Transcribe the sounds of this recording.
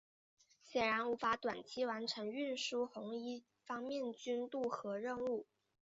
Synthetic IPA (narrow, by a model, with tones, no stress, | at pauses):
ɕjɛ˨˩nɻa˧˥nu˧˥fa˧˥t̪wa˨˩nt͡ɕʰi˥wa˧˥nʈ͡ʂʰɤ˧˥ŋy˥˩nʂu˥xʊ˧˥ŋi˥ | fɑ˥ŋmjɛ˥˩nt͡ɕy˥nt̪u˥˩xɤ˧˥ɻə˥˧nu˥˩